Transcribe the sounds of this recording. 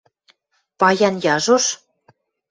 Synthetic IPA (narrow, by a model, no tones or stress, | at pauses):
pɑjɑnjɑʒoʃ